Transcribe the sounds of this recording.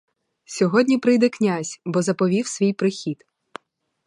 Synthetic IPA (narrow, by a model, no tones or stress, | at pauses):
sʲɔɦɔdʲnʲipɾɪjd̪ɛknʲasʲbɔzɐpɔʋʲiwsʲʋʲijpɾɪxʲid̪